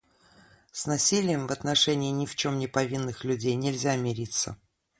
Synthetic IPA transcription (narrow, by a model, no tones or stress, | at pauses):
snɐsʲilʲɪjəmvɐt̪nɐʂɛnʲɪːnʲɪft͡ɕo̞mnʲɪpɐvʲinːɨxlʲʉdʲejnʲɪlʲzʲamʲɪɾʲit̪sːə̰